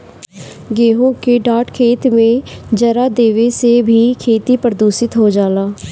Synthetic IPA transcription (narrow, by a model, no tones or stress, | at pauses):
ɡeːɦoːkeɖaːʈkʰeːt̪mẽːd͡ʒəɾaːd̪eːʋeːseːbʱiːkʰeːt̪iːpəɾd̪uːsɪt̪ɦoːd͡ʒaːlaː